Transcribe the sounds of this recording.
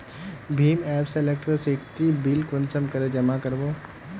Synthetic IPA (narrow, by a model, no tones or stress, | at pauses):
bʱiːmɛːpselek̚ʈɾoseːkʈibilkonsəmkɐɾed͡ʒɐmakɐɾboː